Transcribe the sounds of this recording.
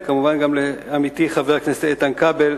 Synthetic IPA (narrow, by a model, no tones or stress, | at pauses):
kamuvanɡamleamit̪iχaveʁakneseet̪ankabel